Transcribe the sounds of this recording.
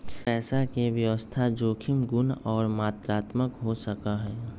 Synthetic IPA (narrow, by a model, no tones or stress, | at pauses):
pɛːsakeʋjəʋəst̪ʰad͡ʒoːkʰɪmɡʊnɔːɾmaːt̪ɾaːt̪məkɦosəkaɦɛː